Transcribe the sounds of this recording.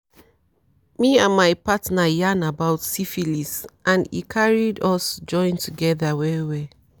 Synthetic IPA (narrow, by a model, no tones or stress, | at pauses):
miãnmajpatnajanabawtsifilisʔãnḭkʰaɹidɔsd͡ʒɔ̃ɪ̃ntuɡɛðawɛwɛ